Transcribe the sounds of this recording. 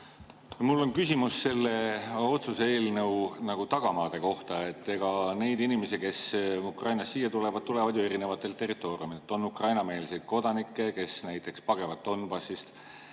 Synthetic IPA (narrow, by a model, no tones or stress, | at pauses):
mulːo̞nkysimusːe̞lːe̞o̞t̪suse̞ːlnɤwnɑɡ̥ut̪ɑɡ̥ɑmɑːd̪̥e̞ko̞ht̪ɑe̞t̪ːe̞ɡ̥ɑne̞jd̪inime̞sike̞sukrɑjnɑsːiːjːɑt̪ule̞vɑd̪̚t̪ule̞vɑd̪jue̞ɾine̞vɑt̪ːˑe̞lt̪ːe̞rit̪ːˑo̞ːriumid̪et̪ːˑo̞nːukrɑjnɑme̞ːlse̞jd̪̥̚ko̞d̪̥ɑnikːˑe̞ke̞snæjt̪ˑːe̞kspɑɡ̥e̞vɑt̪̚ːo̞nːbɑsist̪